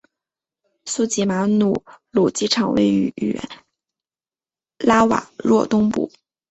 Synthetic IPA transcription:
su˥t͡ɕi˧˥ma˧˥nu˨˩lu˨˩t͡ɕi˥ʈ͡ʂʰɑ˨˩ŋwḛ˥˩ɪy̰˧˩y̰˨˩ | la˥wa̰˨˩˦ɻwɔ˥˧t̪ʊ˥ŋpṵ˨˩˦

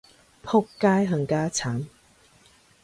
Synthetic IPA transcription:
pʰo˥kːaː˥jɦə˧ŋkaː˥t͡sʰaː˨˦m

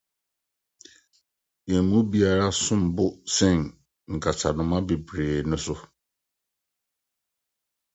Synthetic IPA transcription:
e˨mũ˦bi˨˦a˨ɾa˦sʊ̃˦m˨bʊ˦sɛ̃˦˨n | ŋ̩˨kʰa˨tʰa˨nʊ̃˨mã˦be˨bɾeː˨nʊ̃˦sʊ˦

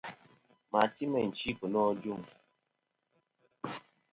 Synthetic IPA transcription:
ma˨ti˦mɛ˨n̩˨t͡ʃi˦pə˨nɔ˦d͡ʒu˦˨ŋ

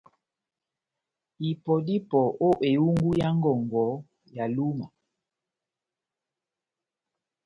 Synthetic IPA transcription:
i˨pɔ˨di˦pɔ˨o˦ʔe˨u˦ŋɡu˦ja˦ŋ˦ɡɔ˨ŋɡɔ˨˦ | ja˨lu˦ma˨

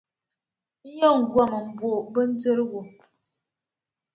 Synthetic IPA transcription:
n̩˦jɔ˦˨ŋ̩˨ɡwa˦˨mə˨m̩˨bwo˨bə˦n̩˦d͡zə˦ɾwo˨

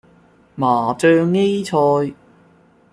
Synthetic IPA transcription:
maː˨˩t͡sœː˧ŋːe˥jt͡sʰɔː˧j

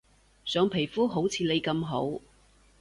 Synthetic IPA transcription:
sœː˨˧ŋpʰe˨˩jfuː˥ɦo˨˥wt͡sʰiː˨˧le˨˧jkɐ˧mɦo˨˥w

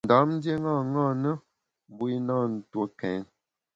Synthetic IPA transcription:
n˨da˨˦mn̩˦dje˦ŋa˦˨ŋa˦˨nə˦˨ | bu˦i˦naː˦˨n̩˨two˦kɛ˨˦ŋ

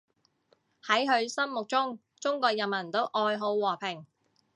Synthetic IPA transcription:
hɐ˨˥jɦɵ˨˧ɥsɐ˥nmʊ˨k̚t͡sʊ˥ŋ | t͡sʊ˥ŋkɔː˧k̚jɐ˨nmɐ˨˩nt̪o˥wʔɔː˧jɦo˨˥wwɔː˨˩pʰɪ˨˩ŋ

